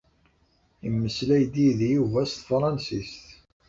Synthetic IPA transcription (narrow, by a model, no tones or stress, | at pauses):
imːəslæjd̪iðjuvæst̪fɾˤɑnsist̪